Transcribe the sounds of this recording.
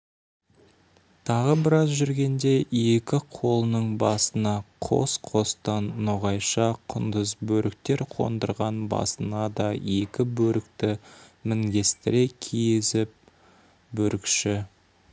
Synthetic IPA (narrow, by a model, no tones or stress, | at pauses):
t̪ʰɑʁəbɪɾɑzʒʏɾɡʲe̞nd̪e̞je̞kʲɪqʰo̞lˠənəɴbɑsənɑqʰo̞̰sqʰo̞st̪ɑnːoʁɑjʃɑqʰʊnd̪əzbɵɾʔɪk̚t̪e̞ɾqʰo̞̰nd̪əɾʁɑnbɑ̰sənɑd̪ɑje̞kʲɪbɵɾɪkt̪ɪmɪŋɡʲe̞st̪ɪɾe̞kʲʰijzɪp̚ | bɵɾɪkʃɪ